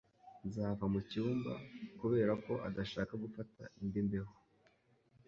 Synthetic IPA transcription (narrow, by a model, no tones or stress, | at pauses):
nzahavamuciuːmba̰kuβe̞ːɾako̞ʔadaʃaːkaɡufata̰indimbeho